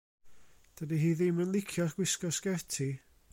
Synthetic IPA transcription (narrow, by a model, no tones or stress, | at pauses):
d̥ədiɦiːðɪmənlˠɪkʰjɔrɡ̥wɪskɔskɛtʰi